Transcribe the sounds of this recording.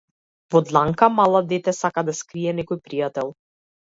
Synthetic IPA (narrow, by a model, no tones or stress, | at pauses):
vɔd̪lˠaŋkamalˠad̪ɛt̪ɛsakad̪askɾiɛnɛkɔjpɾijat̪ɛlˠ